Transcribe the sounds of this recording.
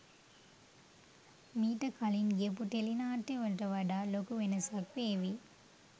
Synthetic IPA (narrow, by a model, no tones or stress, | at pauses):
miːʈːɐkɐlinɡepːuʈelinaːʈːeʋɐʈɐʋɐɖaːlokuʋenɐsak̚peːʋi